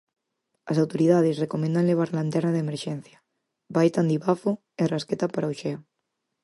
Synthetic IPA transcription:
ɐsawt̪oɾiðað̞esrekomẽnd̪aŋleβ̞aɾlant̪eɾnaðemeɾʃɛn̟θja | bajt̪and̪iβafo | erasket̪apaɾaoʃɛo

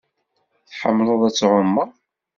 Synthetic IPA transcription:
θħəmːlʊðˤæt͡sːʕʊmːəɾˤ

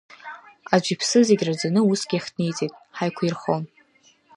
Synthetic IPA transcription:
ad͡ʒʷipʰsɨzeɡʲrad͡zanɨusɡ̥ʲiaχʲtnejt͡sʼejtʼħajkʷʰirχon

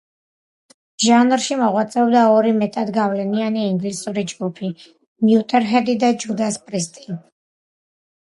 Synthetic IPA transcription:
ʒanɾʃimɔʁwat̪sʼɛɔbd̪aɔɾimɛt̪ʼad̪ɡavlɛnianiːŋɡlisuɾid͡ʒɡupʰi | mjut̪ʼɛɾɦɛd̪id̪ad͡ʒud̪aspʼɾist̪ʼin

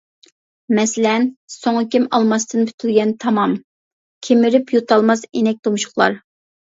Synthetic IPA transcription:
mɛsɪlɛnsoŋkʲimɑlˠmɑst̪ɨnpʰy̥t̪ʰylɡʲɛnt̪ʰɑmɑm | kʲʰemɪɾypjut̪ʰɑlˠmɑsenɛk̚ʲt̪omʃʊ̥χlˠɑ̰ɾ

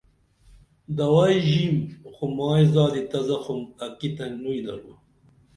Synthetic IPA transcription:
d̪ɐwaːjʑimxumɑːjzɑːd̪it̪ɐzɐxumɐkit̪ɐnujlɐ̰ɾu

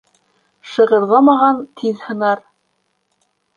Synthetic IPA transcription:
ʃɤ̆ʁɤ̆ɾlˠɑmɑʁɑnt̪ʰiðhɤ̆nɑɾ

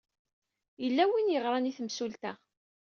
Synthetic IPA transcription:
jəlːæwinjəʁɾˤɑniθəmsult̪æ

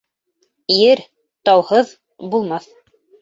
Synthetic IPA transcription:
jɘɾ | t̪ɑwhɤð | bulˠmɑθ

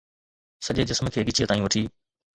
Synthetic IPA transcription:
sɐʄed͡ʑɪsmkʰeːɡɪt͡ʃʰijet̪aːĩũʋɐʈʰiː

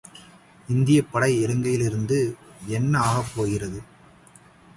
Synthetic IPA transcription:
ɪnd̪ɪjɐpːɐɽɐɪɛɾɯŋɡɐjɪlɪɾɯnd̪ɯɛnːɐaːɣɐpːoːɣɪrɐðɯ

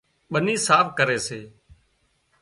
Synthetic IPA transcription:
ɓəniːsaːfʰkəɾeːseː

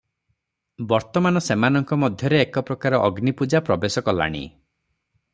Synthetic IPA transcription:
bɔɾt̪ɔmanɔsemanɔŋkɔmɔd̪ʱjɔɾeːkɔpɾɔkaɾɔʔɔɡnipud͡ʒapɾɔbesɔkɔla̰ɽ̃ḭ

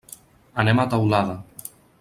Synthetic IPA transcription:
anemat̪awlaða

